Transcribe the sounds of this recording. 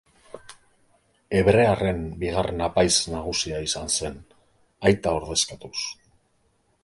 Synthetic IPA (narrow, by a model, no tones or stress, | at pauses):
e̞βɾe̞are̞mbiɣ̞arenapajznaɣ̞usiaisanse̞n | ajt̪ao̞ɾðe̞skat̪us